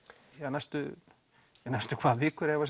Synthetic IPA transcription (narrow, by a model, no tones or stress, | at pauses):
jɛnajst̪ʏ | jɛnajst̪ʏkʰvaːðvɪːkʏɾɛvas